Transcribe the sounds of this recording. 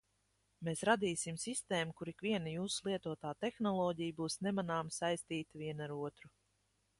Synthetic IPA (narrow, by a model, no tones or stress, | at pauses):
meːsɾad̪iːsimsist̪eːmukuɾikviɛnajuːsulˠiɛt̪uɔt̪aːt̪exnɔlˠɔːɟijbuːsnemanaːmsajst̪iːt̪aviɛnaɾuɔt̪ɾu